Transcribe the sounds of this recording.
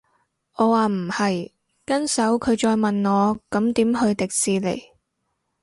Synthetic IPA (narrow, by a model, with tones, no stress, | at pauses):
ʔɔː˨˧waː˨m̩˨˩hɐ˨j | kɐ˥nsɐ˨˥wkʰɵ˨˧ɥt͡ʃɔː˧jmɐ˨nŋɔː˨˧kɐ˨˥mt̪iː˨˥mhɵ˧ɥt̪ɪ˨k̚siː˨˧lḛ˨˩j